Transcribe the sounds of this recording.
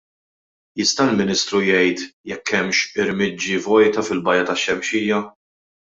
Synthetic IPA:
jɪst̪ɐɪlmɪnɪst̪ɾujɛjt̪jɛkːɛmʃɪɾmɪd͡ʒːivɔjt̪ɐfɪlbɐjɐt̪ɐʃːɛmʃiːjɐ

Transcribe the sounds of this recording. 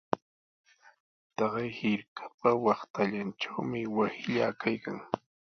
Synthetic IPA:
t̪ɑɢɑjhɪɾkʰḁpawɑχt̪aʎanʈ͡ʂawmɪwasɪʎaːkʰajkaŋ

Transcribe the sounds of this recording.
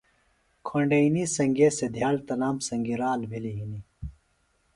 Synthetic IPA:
kʰoɳɖɐinisɐŋɡesed̪ʱjaːlt̪ɐnaːmsɐ̃ŋɡiɾaːlbʱiliɦini

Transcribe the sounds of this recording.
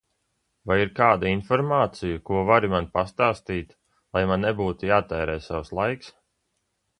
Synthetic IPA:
vajiɾkaːd̪ainfɔɾmaːt̪sijukuɔvaɾimanpast̪aːst̪iːt̪ | lˠajmanːɛbuːt̪ujaːt̪ɛːɾɛːsawslˠajks

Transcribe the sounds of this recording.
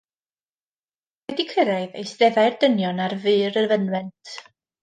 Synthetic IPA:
vɛdikʰɪɾaɨðḛjsd̥ɛðajrdənjɔnarvɨːɾərvənwɛntʰ

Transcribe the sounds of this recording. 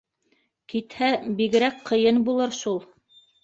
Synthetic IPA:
kit̪hæbiɡɘ̆ɾækqɤ̆jɤnbulˠɤɾʃulˠ

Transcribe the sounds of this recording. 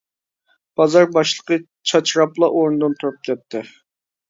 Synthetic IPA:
b̥ɑzɑɾbɑʃlˠə̥qə | t͡ʃʰɑt͡ʃʰɾɑplˠɑʔoɾnɨd̪ɨnt̪ʰuɾup̚kʲɛt̪ʰːɪ

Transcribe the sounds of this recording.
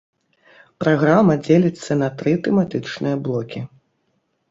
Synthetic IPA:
pɾaɣɾamɐd͡zʲelʲit̪sːɐnɐt̪ɾɨt̪ɛmat̪ɨt͡ʂnɨjɐblˠɔkʲi

